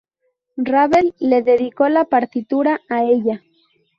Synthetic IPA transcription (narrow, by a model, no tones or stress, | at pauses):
raβe̞lːe̞ðe̞ðiko̞lapaɾt̪it̪uɾaːe̞ʎa